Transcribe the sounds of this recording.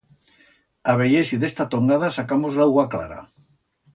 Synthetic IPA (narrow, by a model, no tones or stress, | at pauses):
aβeʎesiðest̪at̪oŋɡaðasakamozlawɣakla̰ɾa̰